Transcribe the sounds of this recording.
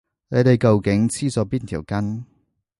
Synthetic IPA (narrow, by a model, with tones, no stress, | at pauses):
ne˨˧jt̪e˨˩jkɐ˨wkɪ˨˥ŋt͡sʰiː˥sɔː˨˥piː˥nt̪ʰiː˨˩wkɐ˥n